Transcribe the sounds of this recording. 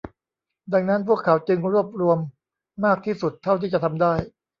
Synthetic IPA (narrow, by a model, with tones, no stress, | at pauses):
da˧ŋna˦˥npʰu˥˩əkʰːa˩˦wt͡ɕɯ˧ŋɾu˥˩əp̚ɾu˧əmː | aː˥˩k̚t̪ʰiː˥˩su˨˩t̪ʰːa˥˩wt̪ʰiː˥˩t͡ɕa˨˩t̪ʰa˧mdaː˥˩j